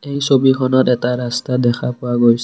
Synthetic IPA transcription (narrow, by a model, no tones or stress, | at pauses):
ejsobikʰɔnɔtɛtaɹastadɛkʰapʊaɡojs